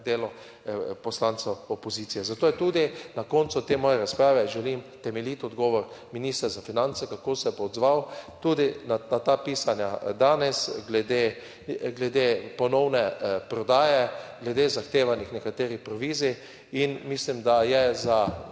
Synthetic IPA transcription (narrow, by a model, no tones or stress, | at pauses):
d̪eːlɔ | pɔslant̪sɛɔpɔziːt̪sijɛzat̪oːjɛt̪ud̪inakɔnt̪sut̪eːmɔːjɛɾaspɾaːʋɛʒɛlimt̪ɛmɛlit̪ɔd̪ɡɔːʋɔɾminiːst̪ɾɛzafinant̪sɛkakoːsɛpaɔd̪zʋawt̪uːd̪inanat̪apiːsanjad̪aːnɛsɡlɛd̪e | ɡlɛd̪eːpɔnɔwnɛpɾɔd̪aːjɛɡlɛd̪eːzaxt̪eːʋanixnɛkat̪eːɾipɾɔʋiːzi | inmislimd̪ajɛza